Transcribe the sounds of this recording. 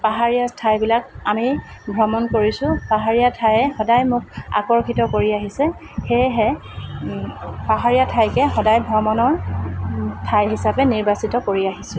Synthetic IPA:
paɦaɹijastʰajbilakami | bʱɹɔmɔnkoɹisʊpaɦaɹijatʰajɛxɔdajmʊk̚a̰kɔɹkʰitɔkoɹiaɦisɛ | xejɦɛ | paɦaɹijatʰajkɛxɔdajbʱɹɔmɔnɔɹ | tʰajɦisapɛniɹbasitɔkoɹiaɦisʊ̃

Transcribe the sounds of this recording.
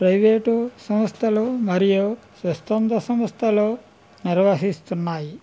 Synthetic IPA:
pɾɐjʋeːʈusɐmɐst̪ʰɐloːmɐɾijusʋɐst̪ɐnd̪ɐsɐmɐst̪ʰɐloː | niɾʋasist̪unːaːji

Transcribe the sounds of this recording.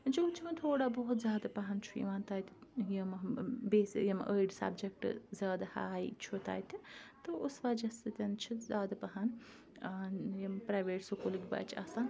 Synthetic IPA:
d͡ʒɐwt͡ʃʰimɐt̪ʰoːɽabɐɦut̪zʲaːd̪apɐɦɐnt͡ʃʰujḭʋaːnt̪aːjt̪ʰi̥jɐmɐbeːsijɐmʔəiɖsɐ̰bd͡ʒek̚ʈzʲaːd̪aha̰ːjit͡ʃʰut̪a̰ːjt̪ʰʲit̪ɨusʋaːd͡ʒɐst̪ɨt̪ʲɐnt͡ʃʰizʲaːd̪apɐɦan | jɐmpɾaːjʋeːʈsokoliɡʲba̰ːt͡ʃʰia̰ːsaːn

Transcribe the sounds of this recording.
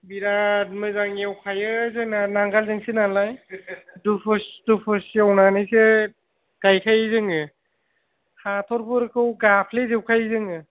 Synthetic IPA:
biɾat̚mɯzaŋiawkʰajɯzɯŋnanaŋɡalzɯŋsinalajdupʰɯsdupʰɯsiawnanɯjse | ɡ̥ajkʰajzɯŋɯ | hatʰɔɾbɯɾkʰɯwɡapʰlezewkʰajzɯŋɯ

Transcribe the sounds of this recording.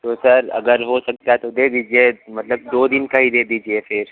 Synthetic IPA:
t̪oːsɐɾɐ̰ɡəɾɦosɐk̚t̪aɦɛt̪od̪ed̪iːd͡ʒiemɐt̪ləb̚d̪oːd̪ɪnkaɦid̪eːd̪iːd͡ʒiefɪɾ

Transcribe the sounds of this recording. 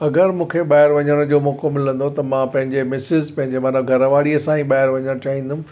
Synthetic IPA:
ɐɡəɾmũːkʰeɓaːɪɾʋɐɲəɽ̃ʊ̃d͡ʑoːmɔːkomɪlə̃nd̪ot̪ɐmãpɐ̃ɦɪ̃ɲd͡ʑemɪsɪzpɐ̃ɦɪ̃ɲd͡ʑemɐːnəbɡʱɐɾəʋaːɽiɐsãĩɓaːɪɾʋɐɲəɽ̃t͡ɕaːɦĩːn̆d̪ʊm

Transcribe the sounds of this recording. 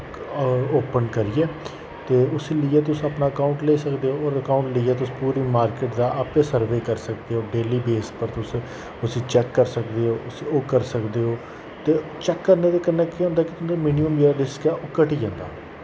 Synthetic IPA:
oːpənkəɾiːɛː | t̪eːʊsiːliːɛːt̪ʊsĩəpnaːəkaːʊ̃ɳʈleːsəkd̪eːɦoːoːɾəkaːʊ̃ɳʈləiːɛːt̪ʊsːpuːɾiːmaːɾkeːʈd̪aːʔaːpẽːsəɾʋeːkəɾsək̚d̪eːɦoːɖeːliːbeːspəɾt̪ʊs | ʊsĩːt͡ʃɛːkːəɾsəkd̪eːɦoːʊsioːkəɾsəkd̪eːɦoː | t̪eːt͡ʃɛːkːəɾneːd̪eːkəɾnɛːkeɦõːnd̪aːkɪt̪ʊsĩd̪emiːniəmd͡ʒeːɾaːɖɪskɛːʔoːkəʈiːd͡ʒãːnd̪a̰ː

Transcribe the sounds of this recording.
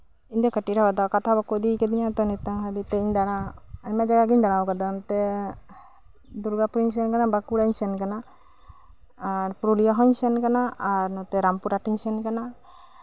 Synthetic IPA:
iɲd̪ɔkəʈiɾɔkad̪akat̪ʰabakod̪iked̪iɲat̪ɔnit̪aŋɦaɾit̪eɲd̪aɽ̃aaɲmad͡ʒaɡaɡiɲd̪aɽ̃awkad̪ant̪e | d̪uɾɡapuɾiɲsenkanabakuɽaɲsenkana | aɾpuɾulijaɦɔɲsenkanaːɾnɔt̪ɛɾampuɾaʈiɲsenkana

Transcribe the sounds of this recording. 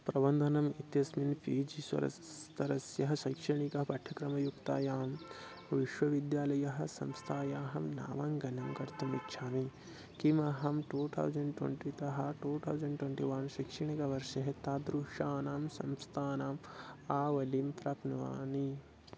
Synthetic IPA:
pɾɐbɐnd̪ʱɐnɐmit̪jɐsminfiːd͡ʒiswɐ̰ɾɐ̰ | t̪ɐɾɐsjɐɦɐʃɐkʂɐɳikɐɦɐpɐʈʰːɐkɾɐmɐjukt̪a̰ːjaːm | bʱɐʋiʃʋɐʋid̪jaːlɐjɐɦɐ̆sɐmst̪ʰaːjaːɦɐmna̰ːʋaːŋɡɐnɐmɡɐɾt̪umitʃʰaːmi | kimɐɦɐmʈuːt̪ʰɐ̰wzɐɳɖʈwḛɳʈit̪ɐɦɐ̆ʈuːt̪ʰɐ̰wzɐɳɖʈweɳʈiʋɐnʃikʂɐɳikɐʋɐɾʂɐɦet̪aːd̪ɾuʂaːnaːmsɐmst̪ʰaːnaːmaːʋɐlimt̪ɾɐːpnɐʋa̰ːni

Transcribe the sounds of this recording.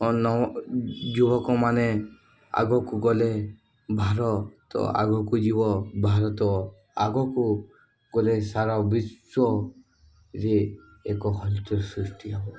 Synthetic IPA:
ɔnɔ | d͡ʒubɔkɔmanɛ | a̰ɡɔkuɡɔle | bʱaɾɔt̪ɔ̰a̰ɡɔkud͡ʒiβɔbʱaɾɔt̪ɔ | aɡɔku | ɡ̥ɔlesaɾabisɔ | ɾeː | kɔɦɔlt̪ɔɾsɾusʈiabɔ

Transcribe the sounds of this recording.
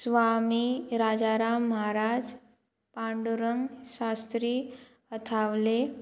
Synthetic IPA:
sʋamiɾad͡zaɾamːɦaɾad͡z | pãɳɖuɾəŋɡʃast̪ɾiː | ət̪ʰaʋle

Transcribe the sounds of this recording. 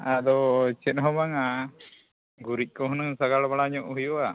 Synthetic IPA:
ad̪ɔt͡ʃɛt̪̚ˀɦɔmaŋa | ɡuɾic̚ˀkɔɦunɯŋsaɡaɽbaɽaɲɔʔhujɔa

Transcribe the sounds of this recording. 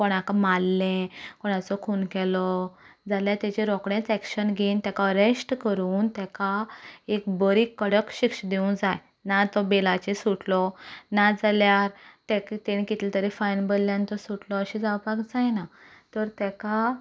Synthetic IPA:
koɽ̃akamalːɛ̃koɽ̃at͡sɔkʰunkɛlɔ | d͡zaljaɾt̪et͡ɕeɾɔkɽẽt͡sɛkɕənɡʱent̪ɛkaɾesʈkəɾuːnt̪ɛkaekbəɾikːəɽəkɕikʂəd̪eũnd͡zaj | nat̪ɔbelat͡ɕesuʈlɔnad͡zaljaɾt̪ekt̪eɽ̃ikit̪ʰlet̪əɾefajnbəlːjãnt̪ɔsuʈlɔəɕid͡zawpakd͡zajna | t̪əɾt̪ɛka

